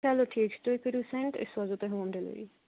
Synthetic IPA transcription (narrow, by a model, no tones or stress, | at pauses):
aːloʈʰieksʈoːɪkəɾuːsɛ̃ɳʈɪ̰sʋazot̪eːɦoːmd̪eːlə̰ḭː